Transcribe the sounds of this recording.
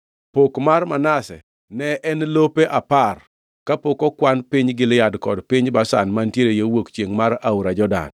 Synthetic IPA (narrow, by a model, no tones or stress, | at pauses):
pokmarmanasɛ | nɛʔɛnlopeʔapar | kapokɔkwanpɪɲɡɪljadkɔ̰dpɪɲbasa̰nmantjeɾejewokt͡ʃeŋmaɾauɾad͡ʒɔda̰n